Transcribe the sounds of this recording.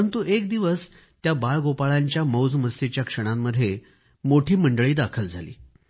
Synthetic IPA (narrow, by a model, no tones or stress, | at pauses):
ənt̪uʔek̚d̪iʋəs | t̪jabaɭɡopaɭaɲt͡ɕjaməwd͡zməst̪et͡ɕjakʂəɽ̃amːəd̪ʱːje | moʈʰiːməɳɖəɭiːd̪akʰəld͡zʱalḭː